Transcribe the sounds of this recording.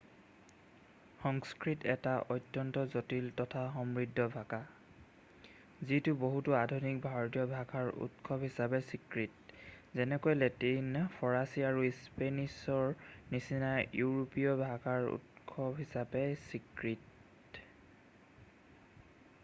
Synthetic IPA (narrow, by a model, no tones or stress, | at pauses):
xɔŋskɹitɛtaʔɔjtjɔntɔzotiltɔtʰaxɔmɹidʱːɔbʱaka | zitʊboɦutuadʱonik̚bʱaɹɔtijɔbʱaɡʰaɹṵtkʰɔbɦisapɛsikɹit̚zɛnɛkojletinpʰɔɹasiaɹuspenisɔɹnisinajjuɹopijɔbʱaɡaɹṵtkʰɔbɦisabɛsikɹit